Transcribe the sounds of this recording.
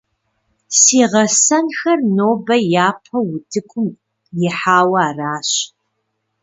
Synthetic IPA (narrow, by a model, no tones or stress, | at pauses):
siːʁɐsɐnxɐrnoːbɐjaːpʰɐwʊtʰɨkʷʰʼʊm | jɪħaːwɑaːraːɕ